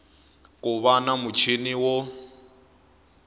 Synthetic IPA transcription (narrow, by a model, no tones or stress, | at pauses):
kʼʊβanamʊt͡ʃʰiniwɔ